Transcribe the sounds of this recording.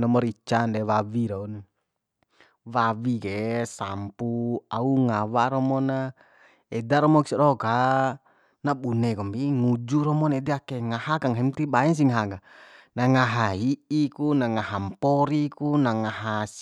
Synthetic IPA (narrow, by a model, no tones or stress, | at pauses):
nɔmɔɾit͡ʃandɛwawiɾaun | wawikesa̰mpuauŋawaɾɔmɔna | ɛdaɾɔmɔksiɾɔka | nabunɛkɔmbiŋud͡ʒuɾɔmɔnɛdɛakeŋahakaŋɦɛmt̪ibaɛns̬iŋaɦaɡanaŋaɦaiʔikunaŋaɦampɔɾikunaŋaɦas